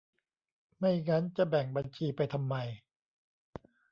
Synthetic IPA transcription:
ma˥˩jŋa˦˥nt͡ɕa˨˩bɛ˨˩ŋba˧nt͡ɕʰiː˧pa˧jt̪ʰa˧mːa˧j

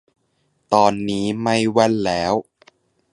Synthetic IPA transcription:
t̪ɔː˧nːiː˦˥ma˧jwa˧nlɛː˦˥w

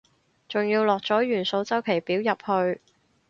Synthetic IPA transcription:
t͡sʊ˨ŋjiː˧wlɔː˨k̚t͡sɔː˨˥jyː˨˩nso˨˧wt͡sɐ˥wkʰe˨˩jpiː˨˥wjɐ˨p̚hɵ˧ɥ

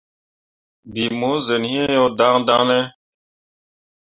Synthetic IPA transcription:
bi˨mo˨˦ze˨nhĩ˦e˦jɔ˦da˦ŋda˦nɛ˦

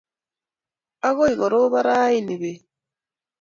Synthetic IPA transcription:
a˦ɣo˦i˨ɣɔ˨ɾo˦βa˦ɾa˦i˦ne˨be˨

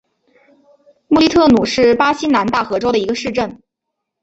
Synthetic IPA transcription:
mu˥˧li˥˧t̪ʰɤ˥˩nu˨˩ʂɻ̩˥˩pa˥ɕi˥na˧˥nt̪a˥˩xɤ˧˥ʈ͡ʂo˥ʊɾə˨˩i˧˥ɡə˧ʂɻ̩˥˧ʈ͡ʂə˥˩n

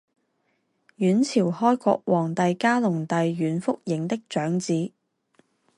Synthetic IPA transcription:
jyː˨˥nt͡sʰiː˨˩whɔː˥jkɔ̰ː˧k̚wɔː˨˩ŋt̪ɐ˨jkaː˥lʊ˨˩ŋt̪ɐ˨jːyː˨˥nfʊ˥k̚jɪ˨˥ŋt̪ɪ˥k̚t͡ʃœː˨˥ŋt͡siː˨˥

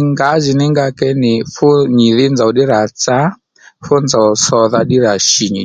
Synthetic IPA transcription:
ŋɡa˨˦zi˨ni˦ŋɡa˧kɛ˦ni˨fu˦ɲi˨ði˦nd͡za˨u˨ɗi˦ɾa˨t͡sa˦ | fɔ˦nd͡za˨u˨sɔ˧ða˦ɗi˦ɾa˨ʃi˨ɲi˨

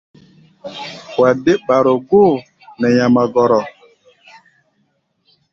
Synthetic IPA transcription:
wa˨de˦ɓa˨ɾo˨ɡo˦˨ | nɛ˨ɲa˨ma˨ɡɔ˨ɾɔ˨

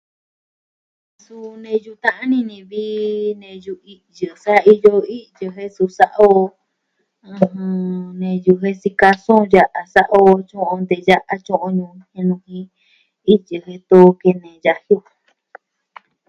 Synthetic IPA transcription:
su˧nẽ˧ju˧t̪ã˦ʔã˦nĩ˧nĩ˧βiː˦nẽ˧ju˧i˧jɨ˨sa˦˧i˧jo˧i˦jɨ˧ɦe˦su˧sa˦ʔa˦o˧ | ɨ̃˧ɦɨ̃˧nẽ˨ju˧ɦe˦si˧ka˧sõ˦˧ja˦ʔa˧sa˦ʔa˦o˧t͡ʃõ˦ʔõ˧nd̪e˨ja˦ʔa˧t͡ʃõ˦ʔõ˧ɲũ˧hẽ˧nũ˧hĩ˧˦ | i˦jɨ˨ɦe˧t̪o˦˧ke˧nẽ˨ja˧hi˦o˧

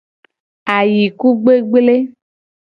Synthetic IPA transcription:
a˨ji˨ku˦ɡ͡be˦ɡ͡ble˦

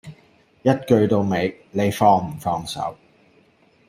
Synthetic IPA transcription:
jɐ˥t̚kɵ˧ɥt̪o˧wme˨˧j | le˨˧jfɔː˧ŋm̩˨˩fɔː˧ŋsɐ̰˨˥w

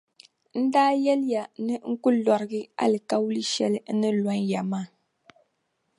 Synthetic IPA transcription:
n̩˦daː˦jɛ˦lɪ˦ja˨nɨ˦ŋ̩˦kʊ˦lɔ˨ɾɨ˦ɡɨ˦a̰˦lɨ˨ka˦wu˦lɨ˦ʃɛ˦lɨ˦n̩˦nɨ˦lɔ˦nja˨maː˦˨

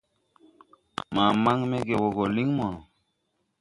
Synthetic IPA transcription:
ma˨ma˦ŋme˦ɡe˨wo˨ɡo˨li˦ŋmo˨

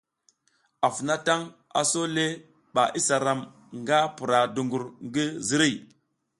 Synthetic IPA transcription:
a˨fu˨na˦ta˦ŋ | a̰˨so˦le˦ | ɓa˨ʔi˦sa˨ɾa˨m | ŋɡa˦pu˨ɾa˨du˨ŋɡu˨ɾŋɡi˦zi˦ɾi˦˨

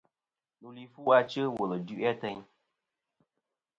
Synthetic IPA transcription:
nu˨li˨fu˦a˧t͡ʃə˦wo˨lə˨du˦ʔa˦tə˧ɲ

